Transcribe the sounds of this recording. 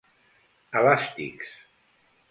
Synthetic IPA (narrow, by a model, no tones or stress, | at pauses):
əlast̪ḭks